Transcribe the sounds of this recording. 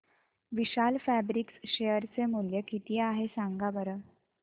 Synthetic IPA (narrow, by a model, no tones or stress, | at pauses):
ʋiɕalfæbɾiksɕejəɾt͡semuljəkit̪iaɦesaŋɡabəɾə